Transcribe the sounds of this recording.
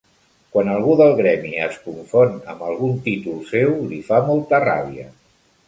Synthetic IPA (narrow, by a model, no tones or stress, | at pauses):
kwanəlˠɣuðəlˠɣɾɛmiə̰skuɱfonə̰mbəlˠɣ̞unt̪it̪ulˠsewlifamolˠt̪əra̰βiə̰